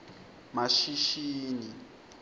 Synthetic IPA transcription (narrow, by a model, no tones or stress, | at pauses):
maʃiʃiːni